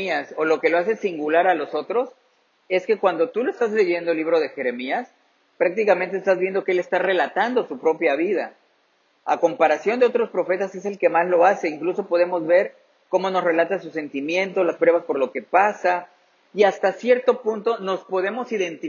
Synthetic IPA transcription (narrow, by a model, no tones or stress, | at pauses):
iaso̞lo̞ke̞lo̞ase̞siŋɡulaɾalo̞so̞t̪ɾo̞s | e̞ske̞kwand̪o̞t̪uloest̪azle̞ʝe̞nd̪olːiβɾo̞ð̞e̞xe̞ɾe̞mias | pɾak̚t̪ikament̪eːst̪azβje̞nd̪o̞keele̞st̪are̞lat̪and̪o̞supɾo̞pjaβið̞a | a̰ko̞mpaɾasjo̞nd̪eo̞t̪ɾo̞spɾo̞fe̞t̪ase̞se̞lke̞mazlo̞ase̞iŋkluso̞po̞ð̞e̞mo̞zβe̞ɾ | ko̞mo̞no̞sre̞lat̪asuse̞nt̪imje̞nt̪o̞laspɾwe̞βaspo̞ɾlo̞ke̞pasa | iast̪asje̞ɾt̪o̞punt̪o̞no̞spo̞ð̞e̞mo̞siðe̞nt̪i